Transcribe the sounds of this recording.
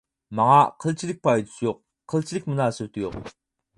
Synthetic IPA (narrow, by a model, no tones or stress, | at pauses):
maŋɑqʰəlt͡ɕʰilik̚pajt̪sjoq̚ | qʰːəlt͡ɕʰilik̚mənasəwt̪ʰjo̰q